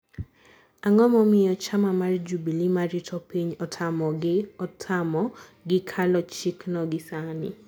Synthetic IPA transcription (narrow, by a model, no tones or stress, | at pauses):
aŋɔmɔmɪjɔt͡ʃamamard͡ʒubilimaɾɪtʰɔpiɲɔtʰamɔɡɪɔtʰamɔɡɪkʰalɔt͡ʃiknɔɡɪsanɪ̰